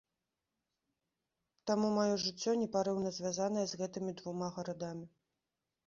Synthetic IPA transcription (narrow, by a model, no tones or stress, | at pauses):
t̪amumajɔʐɨt͡sʲːɔnʲɛpaɾɛwnɐzʲvʲazan̪ɐjɛzɣɛt̪ɨmʲid̪vumaɣɐɾad̪amʲi